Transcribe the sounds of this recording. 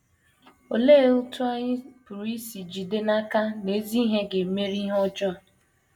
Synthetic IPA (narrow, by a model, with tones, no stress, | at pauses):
o˨le˦ʊ˦tu˦a˦ɲɪ˦pu˨ɾi˦si˨d͡ʒi˨de˦na˦ka˦ne˨˦zi˦ɦe˦ɡe˨me˦ɾi˦ɦɔ˦d͡ʒɔ˦a˨